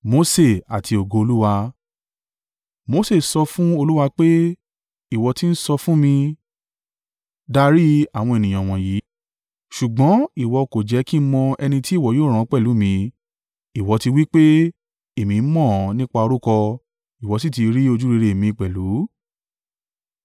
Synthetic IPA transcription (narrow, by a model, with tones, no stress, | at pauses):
mo˧˦se˦˨a˨tʰi˧o˨ɡo˧o˧lu˦wa˧ | mo˦se˦˨sɔ˧fũ˦o˧lu˦wa˧k͡pe˦ | i˦˨wɔ˧ti˦n̩˦sɔ˧fũ˦mĩ˧ | da˧ɾi˦a˨w̃ɔ̃˧e˨nĩ˨j̃ã˨w̃ɔ̃˨ji˨˦ | ʃu˨ɡ͡bɔ̃˨˦i˦˨wɔ˧ko˨d͡ʒɛ˨˧˦ki˦mɔ̃˧ɛ˧nĩ˧ti˦i˦˨wɔ˨˦joː˦˨ɾ̃ã˨˦˧k͡pɛ˦˨lu˨˦mĩ˧ | i˨wɔ˧˦ti˧wi˦k͡pe˦ | e˦˨mĩ˨˦mɔ̃˦˨nĩ˦k͡pa˧o˧ɾu˦kɔ˧ | i˨wɔ˨˧s̬i˦ti˧ɾi˦o˧d͡ʒu˦ɾi˧ɾe˨mĩ˧i˨k͡pɛ˨lu˨˦